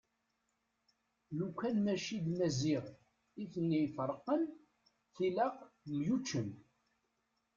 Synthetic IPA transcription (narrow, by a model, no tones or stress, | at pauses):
lukʷːænmæʃid̪mæziʁ | iθənːijfəɾˤəqːən | θilæqmjut͡ʃːən